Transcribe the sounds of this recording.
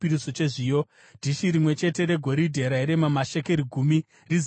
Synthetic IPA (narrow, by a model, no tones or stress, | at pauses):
iɾisot͡ʃe̞ʐiːo | d̥ʱiʃiɾimwe̞t͡ʃe̞te̞ɾe̞ɡʱo̞ɾidʱe̞ɾaiɾemamaʃeke̞ɾiɡʱumi | riz